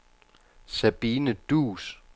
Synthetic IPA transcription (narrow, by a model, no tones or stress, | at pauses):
sæb̥iːnəd̥uːs